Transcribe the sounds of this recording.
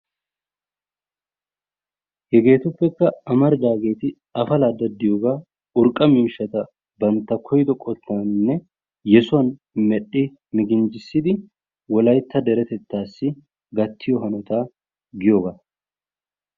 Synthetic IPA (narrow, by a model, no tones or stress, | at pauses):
hɛɡe̞ːt̪ʊpːɛkːɐɐmɐɾd̪aːɡe̞ːt̪ɪ | ɐfɐlaːd̪ɐd̪ːɪjoːɡaː | ʊɾkʼːɐmɪːʃːɐt̪ɐ | bɐnt̪ːɐkʰɔjd̪ɔkʼɔt̪ːaːnnːɛ | jɛsʊwɐn | mɛɗːɪ | mɪɡɪnd͡ʒɪsːɪd̪ɪ | wɔlɐjt̪ːɐd̪ɛɾɛt̪ɛt̪ːaːsːɪ | ɡɐt̪ʰːɪjɔɦɐnɔt̪aː | ɡɪjoːɡa